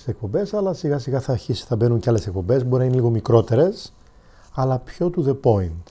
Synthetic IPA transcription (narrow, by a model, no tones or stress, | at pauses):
se̞k̚po̞mbe̞sɐlɐsiɣɐsiɣɐθɐɾçisi̥θɐbe̞nuɲceɐle̞se̞k̚po̞mbe̞zboɾinɐineliɣo̞mikɾo̞t̪e̞ɾe̞s | ɐlɐpço̞t̪uðe̞po̞int̪